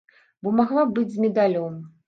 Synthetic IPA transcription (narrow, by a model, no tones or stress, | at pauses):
bɔmaɣlˠabɨd͡zʲzʲmʲɛd̪alʲɔm